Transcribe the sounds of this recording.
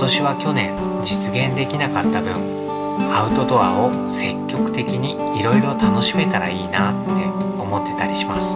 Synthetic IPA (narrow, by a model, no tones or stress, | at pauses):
t̪oɕiβ̞akʲo̞nẽ̞n | d͡ʑit͡sɨɡẽ̞nd̪e̞kʲinakat̪ːabɯ̟̰̃ŋ | aɯ̟t̪o̞t̪o̞βa̰o̞ | se̞kʲːo̞kɯ̟̥t̪e̞kʲiɲ̟iːɾo̞iɾo̞t̪ano̞ɕime̞t̪aɾa̰iːnat̪ːe̞o̞mo̞t̪ːe̞̥t̪aɾʲiɕimasɨ̥